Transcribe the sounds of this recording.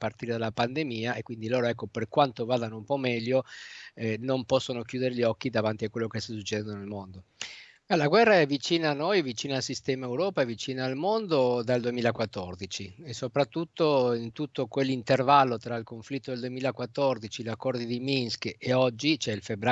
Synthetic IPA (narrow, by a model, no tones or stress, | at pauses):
part̪iːɾed̪alapand̪emiːaekːwind̪iloːɾoɛkːoperkwant̪ovaːd̪anoumpɔmɛʎːoɛnompɔsːonokjuːd̪eɾeʎɔkːid̪avant̪iakwelːokest̪as̬ut͡ʃːeɛd̪ɛnd̪onelmond̪o | ɛlaɡwɛrːaɛvit͡ʃiːnaːnːojvit͡ʃiːnalsist̪ɛːmaewɾɔːpaɛvit͡ʃiːnaːlmond̪od̪ald̪uemiːlakwat̪ːɔrd̪it͡ʃiesːopɾat̪ːut̪ːoint̪ut̪ːokwelːint̪ervalːot̪ɾailkoɱflit̪ːod̪eld̪uemiːlaekwat̪ːɔrd̪it͡ʃilakːɔrd̪id̪iminskeɔd͡ʒːit͡ʃɛilfebːɾa